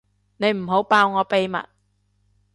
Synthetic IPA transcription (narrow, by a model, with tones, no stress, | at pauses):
ne˨˧jm̩˨˩ɦo˨˥wpaː˧wŋɔː˨˧pe˨˧jmɐ̰˨t̚